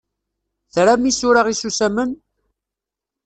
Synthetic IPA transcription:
θɾæmisʊɾaʁisusæmən

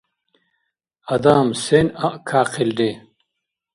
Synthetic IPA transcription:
ɐd̪aːmsenɐʔkʰaːqild̪e

